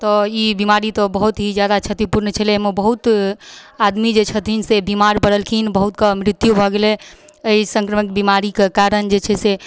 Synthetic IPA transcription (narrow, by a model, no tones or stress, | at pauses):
t̪ɔibimaɾit̪ɔbəɦut̪ɦid͡ʒjad̪at͡ʃʰət̪ipuɾnət͡ʃʰəlmebəɦut̪ | ad̪mid͡ʒet͡ʃʰət̪ʰinsebimaɾpəɽəlkʰinbəɦut̪kəmɾit̪jubʱɔɡelɛ | əisə̃ŋkɾəmik̚bimaɾikekaɾənd͡ʒet͡ʃʰɛse